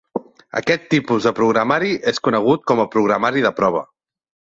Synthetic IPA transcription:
ə̰kɛt̪ːipuzðəpɾuɣɾamaɾiʔeskunəɣ̞ut̪̚kɔməpɾuɣɾamaɾiðəpɾɔβ̞ə

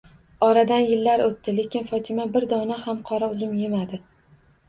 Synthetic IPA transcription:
ɒɾad̪anjɪlːaɾot̪ːɪle̞kʲʰɪnfɒt̪ʰɪmabɪɾd̪ɒnahamqʰɒɾaʊzɪmjemad̪ɪ

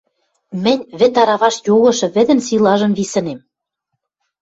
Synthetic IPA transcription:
mɘ̆nʲβɘ̆t̪ɑɾɑβɑʃjoɣɤ̆ʃɤ̆βɘ̆d̪ɘ̆nsilɑʒɤ̆mvisɤ̆nem

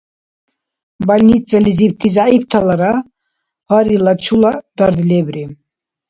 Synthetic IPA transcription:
balʲnit͡sʼalizip̚t̪ʰizaipt̪ʰalaɾa | ʁaɾilat͡ʃʰulad̪̥aɾd̪lɛbɾi

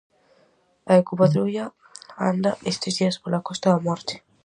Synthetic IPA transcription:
aekupaðɾuʎa | a̰nd̪aʔest̪ezðiɐspolakɔst̪aðamɔɾt̪e̥

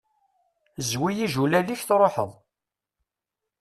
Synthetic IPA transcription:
zwijiʒulæliçθɾˤoħə̰ðˤ

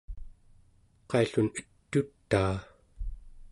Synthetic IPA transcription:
qɑiɬunət̪ːut̪ːaː

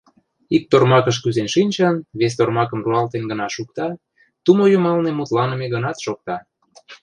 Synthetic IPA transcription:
ik̚t̪ormɑkəʃkyzenʃinʲt͡ɕɑnβes̬t̪ormɑkəmruɑlt̪enɡənɑʃukt̪ɑ | t̪umojumɑlnemut̪lɑnəmeɣənɑt̪ʃok̚t̪ɑ

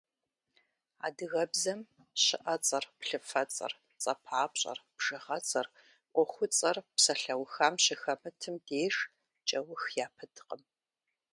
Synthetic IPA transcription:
a̰ːdɨɣɐbzɐm | ɕɪ̰ʔɐt͡sʼɐrpɬɨfɐt͡sʼɐ̰r | t͡sʼɐpʰaːpɕʼɐ̰rpʒ̥ɨʁɐt͡sʼɐr | ʔʷɔχʷʊt͡sʼɐrpsɐɬɐwxaːmɕɪxɐmɨtʰɨmdeːʂ | t͡ʃʼɐwʊxjaːpʰɨdʰqəm

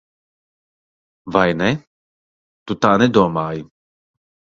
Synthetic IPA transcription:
vajnɛ | t̪ut̪aːnɛd̪ɔmaːj

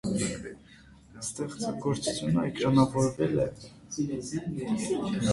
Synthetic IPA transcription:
st̪ɛχt͡səɡɔɾt͡su̥t͡s̪ʰjunəɛkɾɑnɑvɔɾvɛlɛ

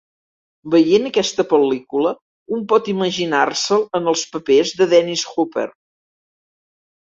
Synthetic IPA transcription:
bəjenəkɛst̪əpəlikulə | umpɔt̪iməʒinarsəlˠənəlˠspəpezðəðɛnisxupḛr

